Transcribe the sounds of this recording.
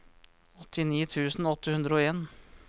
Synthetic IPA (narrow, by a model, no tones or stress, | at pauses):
ɔt̪ʰːɪniːt̪ʰʉːsn̩ɔt̪ːəhʉnd̪ɾəoːeːn